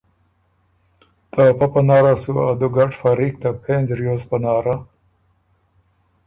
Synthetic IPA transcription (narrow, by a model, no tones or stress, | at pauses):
t̪apapanɑːɾasuad̪uɡaʈfaɾikt̪apʰenzɾjoːspanɑːɾa